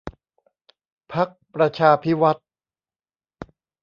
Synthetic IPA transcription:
pʰa˦˥k̚pɾa˧t͡ɕʰaː˧pʰi˦˥wa˦˥t̪̚

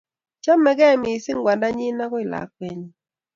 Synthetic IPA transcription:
t͡ʃa˦mɛ˦ɡɛ˦˨mɪ˨sɪ˦ŋɡwa˨nda˦ɲɪ˦na˦kɔ˦ɪ˨la̰˨˦k̚pɛ˦ɲi˦

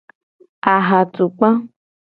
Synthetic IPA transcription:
a˨ɦa˨tu˨k͡pã˦

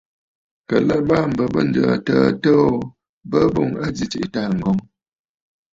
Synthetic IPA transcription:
kə˨lə˦ba˦˨m̩˨bə˨bə˦˨n̩˨d͡ʒə̰˨tə˦˨tə˦o˦ | bə˦bo˦˨ŋə˦d͡zi˦t͡ʃi˨ʔta˦˨ŋ̩˨ɡɔ˨ŋ

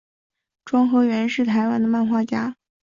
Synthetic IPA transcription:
ʈ͡ʂwɑ˥ŋxɤ˧˥ʊɥɛ˧˥nʂɻ̩˥˩t̪ʰa˧˥ɪwa˥nd̪ə˨ma˥˧nxwa˥˩t͡ɕja˥

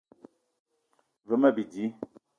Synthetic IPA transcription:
və˨˦mə˦˨bi˨di˨˦

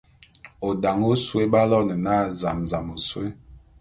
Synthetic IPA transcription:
o˨da˨ŋo˦swe˦ba˦lɔ˦nə˨na˦˨za̰˨mza˨mo˨swe˦

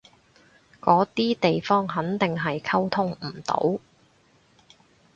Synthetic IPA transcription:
kɔː˨˥t̪iː˥t̪e˨jfɔː˥ŋɦɐ˨˥nt̪ɪ˨ŋɦɐ˨jkʰɐ˥wt̪ʰʊ˥ŋm̩˨˩t̪o̰˨˥w

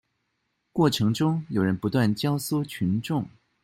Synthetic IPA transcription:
kwɔ˥˩ʈ͡ʂʰɤ˧˥ŋʈ͡ʂʊ˥ŋjo˨˩ʊɻə˧˥npu˧˥t̪wa˥˩nt͡ɕjɑ˥ʊso˥˩t͡ɕʰy˧˥nʈ͡ʂʊ˥˩ŋ

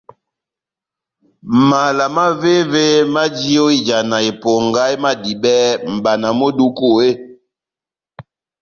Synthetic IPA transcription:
ma˨la˨ma˦ve˦ve˦ma˦d͡ʒi˦o˦i˦d͡ʒa˨na˨e˨po˨ŋɡa˦jma˦di˨bɛ˦m̩˨ba˨na˨mo˦du˦ko˦˨e˦

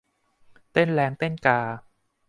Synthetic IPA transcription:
t̪e˥˩nlɛː˧˥ŋt̪e˥˩nkaː˧˩

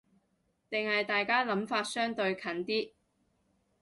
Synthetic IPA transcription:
t̪ɪ˨ŋhɐ˨jt̪aː˨jkaː˥lɐ˨˥mfaː˧t̚sœː˥ŋt̪ɵ˧ɥkʰɐ˨˥nt̪iː˥

